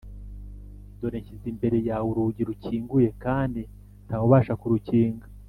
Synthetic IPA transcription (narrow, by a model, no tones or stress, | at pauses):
do̞ɾeːɲizimbe̞ɾe̞jawuɾuɟiɾuciːŋɡuje̞kaːndi | ntʰaːwuβaːʃakuɾuciːŋɡa